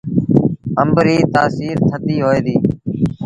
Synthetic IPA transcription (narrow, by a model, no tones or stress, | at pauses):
əmbɾiːt̪aːsiːɾt̪ʰəd̪iːɦoːeːd̪iː